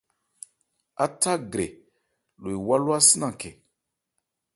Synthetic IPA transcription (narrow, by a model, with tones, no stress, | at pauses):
a˦ta˦ɡɾe˨ | lo˨i˨wa˦lwa˦si˦nã˨ke˨